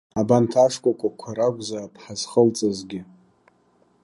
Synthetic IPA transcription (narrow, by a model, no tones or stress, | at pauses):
abantʰaʂkʷʼakʷʼakʷʰaɾaɡʷzapʰħaz̥χəlt͡sʼɨzɡʲɪ